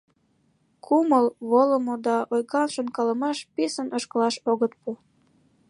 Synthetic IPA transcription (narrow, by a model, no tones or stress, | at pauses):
kʰuməlβoləmod̪ɑʔojɣɑlʃənkɑləmɑʃpesənəʃkəlɑʃoɣət̪̚pu